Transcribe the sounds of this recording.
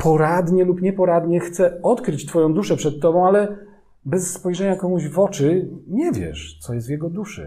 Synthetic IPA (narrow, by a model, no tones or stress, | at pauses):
pʰɔɾad̪ɲɛlupɲɛpɔɾad̪ɲɛxt̪sɛɔt̪kɾɘt͡ɕt̪fɔjɔ̃w̃d̪uʂɛpʂɛt̪ːɔbɔ̃w̃alɛ | bɛsːpɔjʐɛɲakɔmuʑvɔt͡ʂɘɲɛvʲjɛ̰ʂt̪sɔjɛst̪vʲjɛɡɔd̪uʂɘ̰